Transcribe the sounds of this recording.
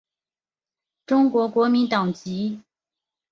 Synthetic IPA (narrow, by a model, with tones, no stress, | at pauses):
ʈ͡ʂʊ˥ŋkwɔ˧˥kwɔ˧˥mi˧˥nt̪ɑ˨˩ŋt͡ɕi˧˥